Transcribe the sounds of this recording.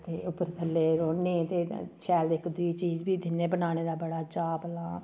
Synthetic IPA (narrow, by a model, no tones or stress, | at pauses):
t̪eːʊpəɾt̪ʰəlːeːɾoːneːt̪eːt͡ʃʰɛːld̪eːɪkd̪ʊiːt͡ʃiːd͡ʒbiːd̪ɪnẽːbənaːñeːd̪aːbəɽaːt͡ʃaːpəlaː